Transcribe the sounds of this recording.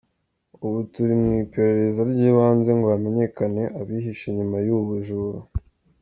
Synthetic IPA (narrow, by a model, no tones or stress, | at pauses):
uβutuɾimŋiːpe̞ɾe̞ɾe̞zaɾɟiːβaːnze̞ŋɡoame̞ɲe̞kane̞ʔaβiɦiʃeɲumajuβuʒuɾu